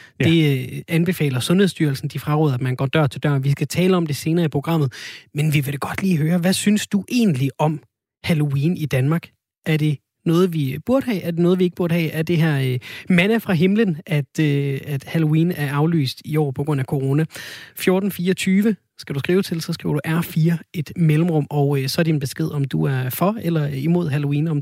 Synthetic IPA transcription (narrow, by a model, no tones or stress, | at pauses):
d̥e̝ænb̥e̝fɛ̰ːlɐsɔ̽nheðˠsd̥yɐl̩sn̩d̥ifʁɑ̈ʁoðˠæd̥mænɡɒ̰ːd̥ɶɐ̰t͡sʰe̝ld̥ɶ̰ɐ̰nʋisɡ̥æt͡sʰɛːləɒ̽md̥e̝se̝ːnɐːipʰo̝ɡ̥ʁɑ̈m̰ð̩ˠmenʋiʋe̝ɾ̥eɡ̥ɒ̽d̥liːɦøːɐʋæsynsd̥uʔe̝̰ːnliɒ̽m | hælo̝iːnid̥ænmɑ̈ːɡ̥ | ʔæɐd̥e̝ | nɔ̽ːð̞̩ˠʋib̥uɐɾ̥hɛ̰ːæɐd̥e̝nɔ̽ːðˠʋie̝ɡ̥b̥uɐɾ̥ɦɛ̰ːæɐd̥e̝ɦæɐ̰mænəfʁɑ̈ɦe̝mlənʔæd̥øæd̥hælo̝iːnæɐɑ̈ʊly̰ːsd̥iɒ̰ːpʰɒ̥̽ʁɔ̽n̰ækʰo̝ʁo̝ːnæfjo̝ɐːd̥n̩fiːɒt͡sʰyːʋə | sɡ̥æɾ̥usɡ̥ʁiːʊt͡sʰe̝lsɒ̽sɡ̥ʁḭʊɐd̥uʔæɐ̰fiːɐe̝d̥melm̩ʁɔ̽m̰ɒʊøsɒ̽æɐd̥inb̥e̝sɡ̥e̝ð̞̰ˠɒ̽md̥uæɐfɒ̽elɐimo̝ð̞̰ˠɦælo̝iːnɒ̽m